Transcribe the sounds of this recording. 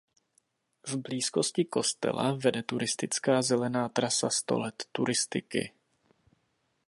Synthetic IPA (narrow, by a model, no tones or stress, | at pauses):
vbliːsko̞scɪko̞st̪ɛ̰la̰vɛdɛt̪uɾɪst̪ɪt͡skaːzɛlɛnaːt̪ɾasast̪o̞̰lɛt̪ːuɾɪst̪ɪkɪ̰